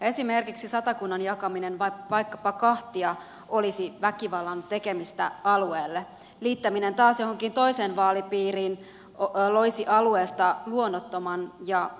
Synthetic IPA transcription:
e̞simerkiksisɑt̪ɑkunːɑnjɑkɑminenʋɑʋɑjkːɑpɑkɑht̪iɑ | o̞lisiʋækiʋɑlːɑnt̪e̞ke̞mist̪æɑlueːlːe | liːt̪ːæmine̞nt̪ɑːsjo̞hoŋkint̪o̞ise̞ːnʋɑːlipiːriːn | lo̞jsiʔɑlue̞ːst̪ɑluonːot̪ːomɑnjɑ

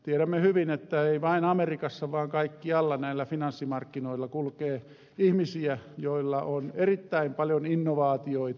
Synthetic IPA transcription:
t̪ieɾæmːehyʋinet̪ːæeiʋɑinɑmerikɑsːɑʋɑːŋkɑikːiɑlːɑnæilːæfinɑnsːimɑrkːinoilːɑkulkeː | ihmisiæjoilːɑʔonerit̪ːæimpɑljoninːoʋɑːt̪ioit̪

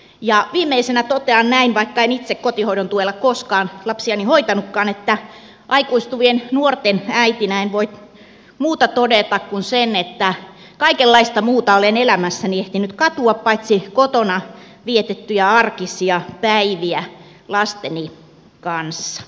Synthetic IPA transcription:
jɑʋiːmːˑeisenæt̪ot̪eɑnnæinʋɑikːɑenit̪sekkot̪ihoiɾont̪uelːɑkkoskɑːnlɑpsiɑnihoit̪ɑnukːɑːnet̪ːæ | ʔɑikuist̪uʋiennuort̪enæit̪inæenʋoit̪ | muːt̪ɑt̪odet̪ɑkkunsenet̪ːæ | kɑikelːɑist̪ɑmuːt̪ɑolenelæmæsːænieht̪inyt̪kɑt̪uɑppɑit̪sikot̪onɑ | ʋiet̪et̪ːyjæɑrkisiɑpæiʋiæ | lɑst̪eni | kɑnsːɑ̥

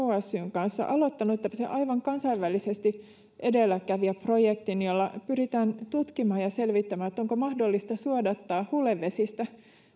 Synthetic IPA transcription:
oæsːyŋkɑnsːɑ̰ʔɑlo̞t̪ːɑnuet̪ːæpæ̥sḛʔɑjʋɑŋkɑnsɑiʋʋælːise̞st̪i | ʔe̞de̞lːækæʋiæpro̞jekt̪injolːɑpyɾit̪æːnt̪ut̪kimɑːjjɑse̞lʋit̪ːæmæːnet̪ːo̞ŋkomɑhdo̞lːist̪ɑsuodɑt̪ːɑːhulːeʋːe̞sist̪æ

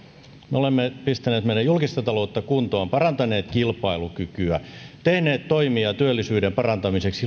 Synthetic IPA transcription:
meolemːepist̪æneːt̪mejɑjulkist̪ɑt̪ɑlo̞ut̪ːɑkunt̪oɑmpɑrɑnt̪ɑne̞ːt̪kilpɑilukykyæt̪e̞hne̞ːt̪t̪ːoimiɑt̪yølːisyːdempɑrɑnt̪ɑmiseksi

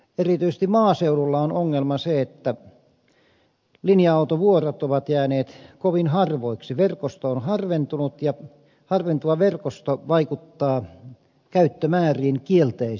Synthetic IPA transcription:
erit̪yisest̪imɑːseululːɑonoŋːelmɑseet̪ːæ | linjɑɑut̪oʋuorot̪oʋɑt̪jæːneːt̪koʋinhɑrʋoˑiksiʋerkost̪oonhɑrʋent̪unut̪jɑ | hɑrʋent̪uʋɑʋerkost̪oʋɑikut̪ːɑː | kæyt̪ːømæːriːnkielt̪ei

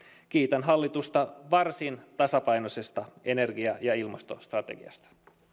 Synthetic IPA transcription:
kiːt̪ɑnɦɑlːit̪ust̪ɑʋɑrsint̪ɑsɑpɑjno̞se̞st̪ɑene̞rɡiɑjɑilmɑst̪o̞̰st̪rɑt̪ḛɡḭɑ̰st̪ɑ̥

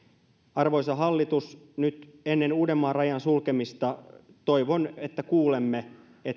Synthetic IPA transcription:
ɑrʋo̞jsɑɦɑlːit̪usnyt̪enːenuːde̞mːɑːrɑjɑnsulkemist̪ɑ | t̪o̞jʋonet̪ːækuːlemːe | e

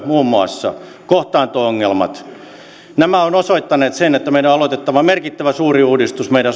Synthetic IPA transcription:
muːmːuɑ̰sːɑ̰ | koht̪ɑːnt̪oːoŋːelmɑ̰t̪ | næmæonosoit̪ːɑneːt̪senet̪ːæmeidæoɑlot̪et̪ːɑʋɑmerkit̪ːæʋæsuːriuːdist̪usmeiɾæ

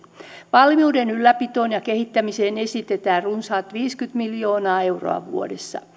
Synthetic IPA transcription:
ʋɑlmiuːdenylːæpit̪oːnjɑkehit̪ːæmiseːnesit̪et̪æːrrunsɑːt̪ʋiːskyt̪miljo̞ːnɑːe̞wro̰ɑ̰ʋṵo̰desːɑ̰

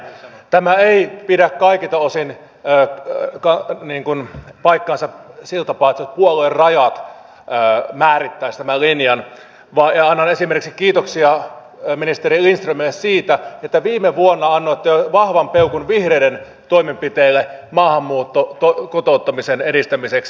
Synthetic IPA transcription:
t̪æmæeipidækkɑikit̪ɑosinː | kɑniːŋkunpɑikːɑːnsɑsilt̪ɑpɑːet̪sot̪puoluerrɑjɑt̪ | øːmæːɾit̪ːæist̪æmælinjɑn | ʋɑːjɑɑnːɑnesimerkiksikːiːt̪oksiɑ | minist̪eɾiinst̪rumeessiːt̪æet̪ːæʋiːmeʋuonːɑɑnːoet̪ːæjoʋɑhʋɑmpeukunʋihreiden | t̪oimempit̪eilːemɑːhɑmːuːt̪ːot̪okot̪out̪ːɑmisenedist̪æmiseks

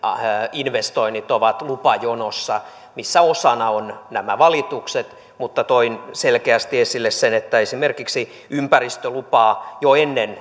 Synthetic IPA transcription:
inʋest̪oinːit̪oʋɑt̪lupɑjonosːɑ | misːæosɑnɑonnæmæʋɑlit̪ukset̪ | mut̪ːɑt̪oinselkeæst̪iesilːessenet̪ːæesimerkiksi | ympærist̪ølupɑːjoenːen

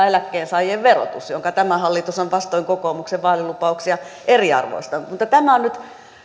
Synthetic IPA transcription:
elækːeːnsɑijeʋʋero̰t̪usjoŋkɑt̪æmæhɑlːit̪usoʋʋɑst̪oiŋkokoːmukseʋʋɑːlilupɑuksiɑ | eriɑ̰rʋo̰ist̪ɑmut̪ːɑt̪æmæonnyt̪

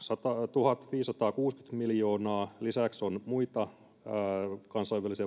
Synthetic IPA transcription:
sɑt̪ɑt̪uhɑt̪ʋiːsːɑt̪ɑːkuːsky̥t̪miljo̞ːnɑːlisæksonmuit̪ɑ | kɑnsɑjʋælisi

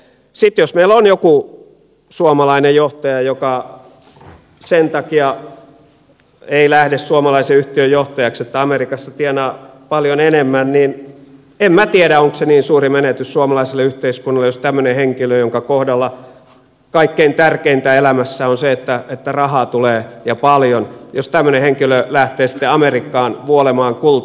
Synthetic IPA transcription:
sit̪josmeilonjoku | suomɑlɑinejjoht̪ɑjɑjokɑ | sent̪ɑkiɑ | eilæhdessuomɑlɑiseyht̪iøjoht̪ɑjɑkset̪ːæɑmerikɑsːɑt̪ienɑːpɑljonenemːænniːn | emmæt̪ieɾæoŋkoseniːnsuːrimenet̪yssuomɑlɑiselːeyht̪eiskunːɑlːejost̪æmːøneheŋkiløjoŋkɑkohdɑlːɑ | kɑikːeint̪ærkeint̪æelæmæsːæonseet̪ːæet̪ːærɑhɑt̪uleːjɑpɑljonjost̪æmːøneheŋkilølæht̪eːsi̥t̪ːeɑmerikːɑːnʋuolemɑːŋkul

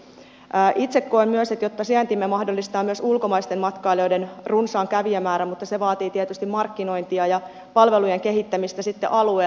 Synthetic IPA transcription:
ʔit̪sekːo̞imyøset̪jot̪ːɑsiænt̪imːemɑhdo̞lːist̪ɑːmyøsulko̞mɑist̪emmɑt̪kɑːlojdenrunsɑːŋkæʋiæmæːɾæmut̪ːɑseʋɑːt̪iːt̪iet̪yst̪immɑrkːino̞jnt̪iɑjɑ | pɑlʋe̞lujeŋke̞ɦit̪ːæmist̪æsit̪ːḛʔɑlue

